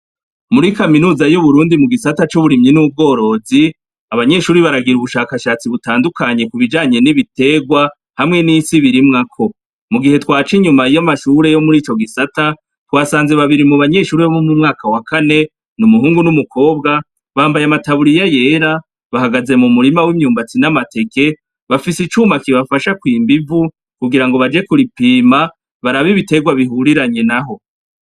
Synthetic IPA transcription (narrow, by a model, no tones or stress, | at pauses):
muɾikaminuːzajuβuɾuːndimuɡisatat͡ʃuβuɾimɲinuːb̚ɡo̞ːɾo̞ːzi | aβaɲe̞ʃuːɾiβaɾaɡiɾuβuʃaːkaʃat͡siβutaːndukaɲe̞kuβid͡ʒaːɲe̞niβite̞ɡwa | hamŋe̞nisiβiɾimŋakʰo̞ | muɡihe̞twaːt͡ʃiɲumaijamaʃuɾe̞jo̞muɾiːt͡ʃo̞ɡisata | twaːsaːnze̞βaβiɾimuβaɲe̞ːʃuːɾeβoβumumŋaːkawakʰane̞ | numuɦuːŋɡunumukʰo̞ːbɡa | βaːmbajamataβuɾijaje̞ːɾa | βahaɡaze̞mumuɾimawimɲuːmbat͡sinamate̞ke̞ | βafisit͡ʃuːmakiβafaʃakwiːmbivu | kuɡiɾaŋɡo̞βad͡ʒe̞kuɾipiːma | βaɾaβiβite̞ɡwaβiɦuɾiɾaɲe̞naɦo̞